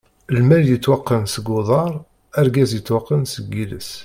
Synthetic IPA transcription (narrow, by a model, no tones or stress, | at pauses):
lmæljət͡sːwɑqːənsəɡʊðˤɑɾˤ | æɾɡæzjət͡sːwɑqːənsəɡːilə̰s